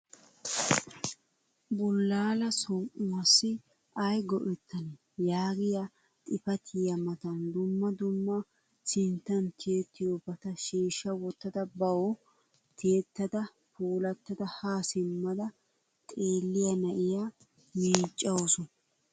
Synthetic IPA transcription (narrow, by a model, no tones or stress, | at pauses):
bʊlːaːlɐsɔʔʊwɐsːɪ | ɐjɡɔʔɛt̪ːɐnɛ | jaːɡɪjɐ | t̪ʼɪpɐt̪ʰɪjɐmɐt̪ɐnd̪ʊmːɐd̪ʊmːɐ | sɪnt̪ːɐnt̪ʰit̪ːɪjobɐt̪ɐʃiːʃːɐwɔt̪ːɐd̪ɐbɐw | t̪eːt̪ːɐd̪ɐ | puːlɐt̪ːɐd̪ɐhaːsɪmːɐd̪ɐ | t̪ʼeːlːɪjɐnɐʔɪja | miːt͡ʃʼːɐwosɔn